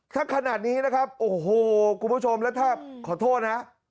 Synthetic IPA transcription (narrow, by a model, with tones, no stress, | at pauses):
t̪ʰaː˥˩kʰa˧naː˨˩t̪̚niː˦˥na˦˥kʰa˦˥p̚ʔoː˨˩ɦoː˧˩kʰu˧nbʰu˦˥˩t͡ɕʰo˧mlɛ˦˥wt̪ʰaː˥˩kʰɔː˨˩˦t̪ʰoː˥˩t̪̚na˦˥ʔ